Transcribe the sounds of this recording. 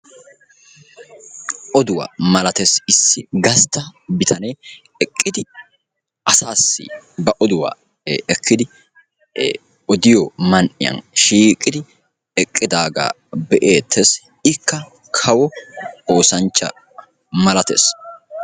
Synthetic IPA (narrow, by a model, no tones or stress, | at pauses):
ʔɔd̪ʊwa̰mɐlɐt̪esɪsːɪɡɐst̪ːɐbɪt̪ʰɐnej | ɛkʼːɪd̪ɪ | ʔɐsaːsːɪ̰bɐʔɔd̪ʊwa̰ː | ɛkːɪd̪ɪ | ɔd̪ɪjɔmɐnʔɪ̰jɐ̰nʃiːkʼɪd̪ɪ | ɛkʼːɪd̪aːɡa̰ː | bɛʔe̞ːt̪ʰːes | ɪkːɐ | kʰɐwɔo̞ːsɐnt͡ʃːɐ̰ | mɐlɐt̪ḛs